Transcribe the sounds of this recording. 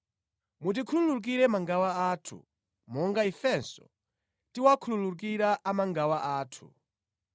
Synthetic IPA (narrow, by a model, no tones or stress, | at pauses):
mutikʰululuk̬iɾɛmaŋɡawaatʰṵ | mɔŋɡaifɛnsɔ̰ | tiwakʰululuk̬iɾaʔamaŋɡawaʔaːtʰṵ